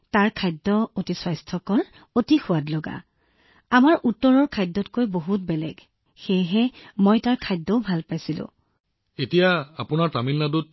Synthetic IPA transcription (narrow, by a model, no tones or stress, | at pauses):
taɹkʰajdːɔotiswajstʰɔkɔɹ | otixʊwatlɔɡa̰ | amaɹʔutːɔɹɔɹkʰajdːɔtkojboɦut̚bɛlɛ̰ɡ | xejɦɛmojtaɹkʰajdːɔʊbʱalpajsilʊ̰̃ | etijaːpʊnaɹtamilnadut̚